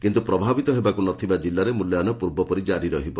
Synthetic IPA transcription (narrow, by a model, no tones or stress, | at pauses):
kint̪upɾɔbʱabit̪ɔɦebakunɔt̪ʰibad͡ʒilːaɾemuljanɔpuɾbɔpɔɾid͡ʒaɾiɾɔɦibɔ